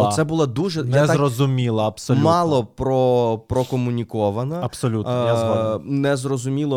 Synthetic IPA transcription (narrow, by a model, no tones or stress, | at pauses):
sɛbʊlˠɔd̪uʒɛjaɛzarɔzʊmʲilˠɐɐpsɔlʲmɑlˠɔpɾɔpɾɔkɔmʊnʲikɔʋɐnɐɐpsɔlʲutjaznɛzrɔzʊmʲilˠɔ